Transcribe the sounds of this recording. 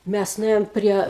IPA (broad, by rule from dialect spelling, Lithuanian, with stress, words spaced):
ˈmʲæs nʊˈeːjoːm ˈpʲrʲiɛ